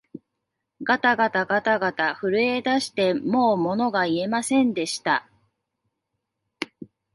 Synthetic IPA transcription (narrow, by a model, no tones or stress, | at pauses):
ɡat̪aɡat̪aɡat̪aɡat̪aɸɯ̟ɾɯ̟e̞d̪aɕi̥t̪e̞mo̞ːmo̞no̞ɡaie̞masẽ̞nd̪e̞ɕi̥t̪a